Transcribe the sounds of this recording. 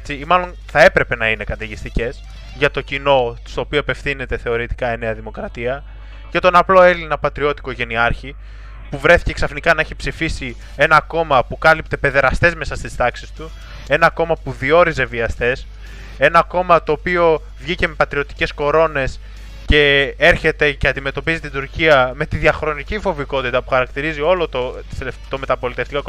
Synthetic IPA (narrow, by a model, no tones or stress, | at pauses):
t͡siːmɐlo̞n | θɐe̞pɾe̞pe̞nɐine̞kɐt̪eʝist̪ice̞s | ʝɐt̪o̞cino̞st̪o̞ːpioepe̞fθine̞t̪e̞θe̞o̞ɾit̪i̥kɐene̞ɐðimo̞kɾɐt̪iɐ | cet̪o̞nɐplo̞e̞linɐpɐt̪ɾio̞t̪i̥ko̞ʝe̞niɐɾçi | puvɾe̞θi̥ce̞ksɐfnikɐnɐeçipsifisi | e̞nɐko̞mɐpukɐlip̚t̪e̞pe̞ðe̞ɾɐst̪e̞zme̞sɐst̪ist̪ɐksist̪u | e̞nɐko̞mɐpuðio̞ɾize̞viɐst̪e̞s | e̞nɐko̞mɐt̪o̞ːpio̞ | vʝice̞me̞pɐt̪ɾio̞t̪i̥ce̞sko̞ɾo̞ne̞s | ce̞e̞ɾçe̞t̪e̞ceɐnd̪ime̞t̪o̞pizit̪id̪uɾciɐme̞t̪iðiɐxɾo̞nicifo̞viko̞t̪it̪ɐpu̥xɐɾɐkt̪iɾizio̞lot̪ot̪t̪o̞me̞t̪ɐpo̞lit̪eft̪iko